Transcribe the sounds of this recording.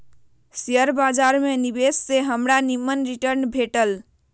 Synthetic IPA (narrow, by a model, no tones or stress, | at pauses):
siəɾbad͡ʒaɾmenibesːeɦəmɾanimːənɾiʈəɾnbʱeʈəl